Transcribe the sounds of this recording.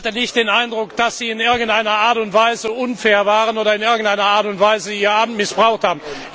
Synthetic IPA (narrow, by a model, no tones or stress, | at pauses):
atənɪçt̚d̥eːnaɪndʁʊkd̥asz̥iːɪnɪɐɡŋ̩tʔaɪnɐʔaːɐtʊntv̥aɪzəʔʊnfɛːɐvaːʁənoːɾɐɪnɪɐɡŋ̩taɪnɐaːɐtʊntv̥aɪzəiːɐaːbm̩tmɪsb̥ʁaʊxthaːbmn̩